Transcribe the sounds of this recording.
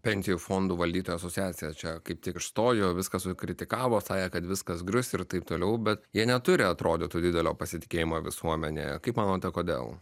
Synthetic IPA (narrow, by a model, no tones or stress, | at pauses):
pʲɛnʲsʲɪjuːfoːnd̪uːʋɐlʲd̪ʲiːt̪oːjuɐsoːt͡sʲsʲɪjæːt̪sʲɪjɛst͡ʃʲɛkɐɪp̚t̪ʲɪkɪʃst̪oːjoːʋʲɪskɐsʊkɾʲɪt̪ʲɪkɑːʋoːsɑːjɛkɐt̪ʋʲɪskɐsɡɾʲʊsʲɪɾt̪ɐɪp̚t̪oːlʲɛʊbʲɛt̪jiɛnʲɛt̪ʊɾʲɪɐt̪ɾoːd̪ʲeːt̪uːd̪ʲɪd̪ʲɛlʲoːpɐsʲɪt̪ʲɪ̥kʲeːjɪmoːʋʲɪsuɔmʲɛnʲḛːkɐɪpmɑːnoːt̪ʲɛkoːd̪ʲḛːlˠ